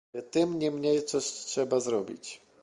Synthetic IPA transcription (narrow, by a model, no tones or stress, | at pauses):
ɛt̪ɘmɲɛmɲɛjt̪sɔɕtʂɛbazɾɔbʲḭt͡ɕ